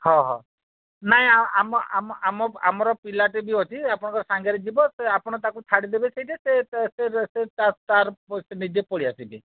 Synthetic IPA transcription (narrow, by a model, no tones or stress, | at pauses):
hɔ̃ɦɔ̰̃ | naɦĩaamɔamɔamɔa̰mɔɾɔpilaʈebiɦot̪ʰiapɔɽ̃ɔ̃ŋkɔɾesaŋɡaɾed͡ʒibɔseapɔɽ̃ɔt̪akut͡ʃʰaɽid̪ebeseɦjʈɛsetseset̪ast̪aɾsenid͡ʒepɔɽiasit̪i